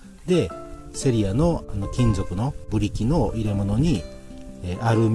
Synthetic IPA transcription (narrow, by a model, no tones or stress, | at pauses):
d̪e̞ | se̞ɾʲiano̞anokʲĩnzo̞kɯ̟no̞bɯ̟ɾʲikʲino̞iɾe̞mo̞no̞ɲ̟i | eʔaɾɯ̟m